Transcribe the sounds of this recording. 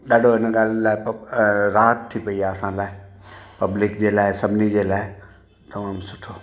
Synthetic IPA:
ɗaːɖʱoɦɪnɠaːllaːɪpɾaːɦət̪ʰːipɐiaːɐsãlaːɪ | pɐblɪkd͡ʑeːlaːɪsɐbʱɪnid͡ʑeːlaːɪ | t̪ɐmaːmsʊʈʰoː

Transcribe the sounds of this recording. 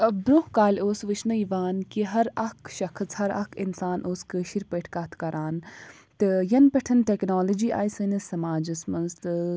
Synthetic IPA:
bɾohkaːlʲoːsʋɨt͡ʃʰnɐiʋaːnkiɦɐɾɐkʰʃɐkʰɐt͡shɐɾɐ̰kʰinsaːnʔoːskəːʃiɾpəːʈʰkaːt̪ʰkɐɾʔaːn | t̪ɨjɐnpɐʈʰɐnʈeknaːlɐd͡ʒiːʔa̰ːjsɨnɐsɐmaːd͡ʒɐsmɐnzt̪ɨ

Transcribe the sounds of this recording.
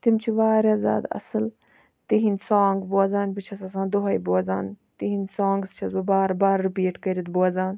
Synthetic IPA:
t̪imt͡ʃʰiʋaːɾʲjaːzʲa̰ːd̪ɐ̰sɨl | t̪iɦinʲsãːŋɡbuɐzaːnpit͡ʃʰɐsɐs̬ãːd̪oɦɐjbuɐzaːnt̪iɦinʲsãːŋɡst͡ʃʰɐsbɐbaːɾbaːɾːipiːʈkɐɾit̪buɐzaːn

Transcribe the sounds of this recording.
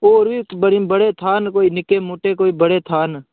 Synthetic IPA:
oːɾʋiːbəɽibəɽeːt̪ʰaːnkoːiːnɪkeːmuːʈeːkoːiːbəɽeːt̪ʰaːn

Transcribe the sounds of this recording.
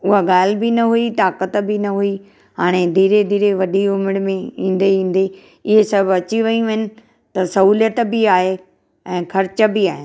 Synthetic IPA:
ʊɦaɡaːl̤ɪbɪnɐɦuiʈ̪aːkət̪bɪnɐɦui | ɦaːɽ̃ed̪ʱiːɾed̪ʱiːɾeʋɐɗiʊmɪɽ̃mẽĩːn̆d̪eĩːn̆d̪e | ɪɦesɐbʱɐt͡ɕiʋɐĩʋɐnɪ̆ | t̪ɐsɐɦuːljət̪bɪaːɦe | ɛ̃ːkʰɐɾɪt͡ɕəbɪaːɦɪ

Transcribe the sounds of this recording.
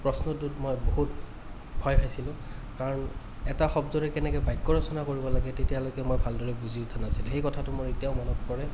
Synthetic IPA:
pɹɔsnɔtutmojboɦut | bʱɔjkʰajsilʊ̃ | kaɹɔn | ɛtaxɔbzɔɹɛkɛnɛkɛbajkːɔɹɔsɔnakoɹibɔlaɡɛtetijalokɛmojbʱaldɔɹɛbuziʊtʰanasilʊ̃xejkɔtʰatʊmoɹetiaʊmɔnɔppɔɹɛ

